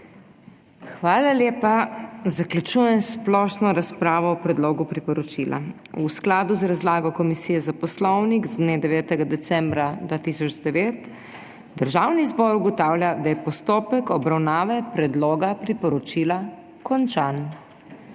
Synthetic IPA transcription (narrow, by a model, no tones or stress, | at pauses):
xʋaːlaljeːpazaklʲut͡ʃuːjɛmsplɔːʃnɔɾaspɾaːʋɔːpɾɛd̪loːɡupɾipɔɾɔt͡ʃilʔa̰ | usklaːd̪uzɾazlaːɡɔkɔmisiːjɛzapɔslɔwniɡzd̪neːd̪ɛʋɛːt̪ɛɡad̪ɛsɛ̃mbɾad̪ʋaːt̪isɔd͡ʒd̪ɛʋeːt̪ | d̪əɾʒaːwnizbɔɾuɡɔt̪aːwlʲjad̪ajɛpɔst̪oːpɛkɔbɾawnaːʋɛpɾɛd̪loːɡapɾipɔɾɔt͡ʃiːla | kɔnt͡ʃan